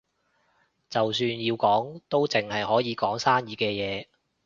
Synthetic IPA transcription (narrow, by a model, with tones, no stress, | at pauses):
t͡sɐ˨wsyː˧njiː˧wkɔː˨˥ŋt̪o˥wt͡sɪ˨˩ŋhɐ˨jhɔː˨˥jiː˨˧kɔː˨˥ŋsaː˥njiː˨˧kɛː˧jɛː˨˧